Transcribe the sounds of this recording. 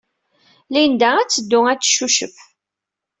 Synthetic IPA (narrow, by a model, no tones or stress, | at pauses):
lijənd̪ææt͡sːəd̪ːʊæt͡sːʃuʃəf